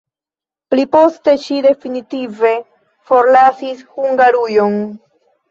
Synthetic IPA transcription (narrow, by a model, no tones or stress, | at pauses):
plipo̞ste̞ʃide̞finitive̞ | fo̞ɾlasishuŋɡaɾujo̞n